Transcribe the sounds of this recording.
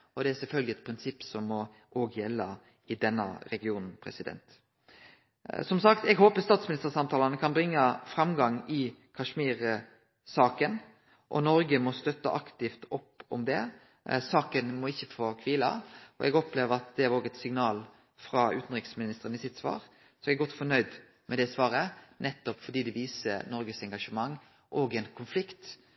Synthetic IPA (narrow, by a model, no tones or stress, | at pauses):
ɔd̪ɛæsɛlfœlɡlɪɛt̪pʰɾɪnsɪpːsɔmːɔ | ʔoːɡjɛlːə | ɪd̪ɛnːə̰ɾɛɡɪuːnn̩pʰɾɛ̰sɪd̪ɛ̰nt̪ | sɔmsɑkt̪ɛɡɦoːpəst̪ɑːt̪smɪnɪst̪əʁsɑmt̪ʰɑːlɑnəkʰɑnbʁɪŋːəfɾɑmɡɑŋɪkʰɑʂmiːɾə | sɑːkən | ʔɔnɔɾɡəmɔst̪œt̪ːə̰ʔɑkt̪ɪft̪ɔpːɔ̰md̪ɛ | sɑːkənmɔɪçːəfoːkʰʋiːlɑ̰ɔ̰ʔɛɡɔpleːʋəɾɑt̪d̪ɛæɾoːɡɛt̪sɪŋnɑːl | fɾɑʉ̰ːt̪n̩ʁɪksmɪnɪst̪əʁənɪsɪt̪ːsʋɑ̰ːɾ | sɔɛɡɡɔt̪ːfɔnœʏd̪ | mɛd̪ɛsʋɑːɾənɛt̪ːɔpfɔɖ̪iːd̪ɛʋiːsəɾnɔɾɡəsɛŋɡɑʂəmɑŋː | ʔɔɡɛnkʰʊnflɪkt̪